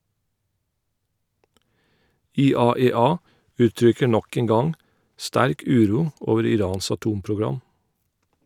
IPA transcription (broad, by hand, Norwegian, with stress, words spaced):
ɪˈɑːɛˌɑː ˈʔʉːˌtɹʏkə ˈɳɔk ˈeːŋ ˈɡɑŋ ˈstæɾk ˈʉːˌɾuː ˈʔoːʋəɾ ɪˈɾɑːns ɑˈtuːmpɹʊˌɡɹɑm